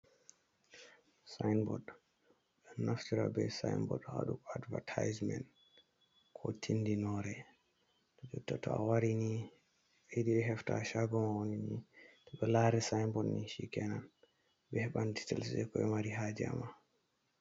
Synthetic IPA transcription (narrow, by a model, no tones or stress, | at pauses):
sajnbɔd | ɛnaftiɾa̰bɛsa̰jnbɔ̰dha̰ɗuadvatʰajzmɛ̰nt | kʰɔtʰindinɔɾɛ | tɔd͡ʒutːatʰɔ̰awaɾini | ediɗɛɦɛftaʃaɡɔmawoninitɛɓɛlaɾɛsajmbɔdniʃikɛnan | bɛhɓanditɛlsɗɛkɔɛmaɾiɦaːd͡ʒɛa̰ma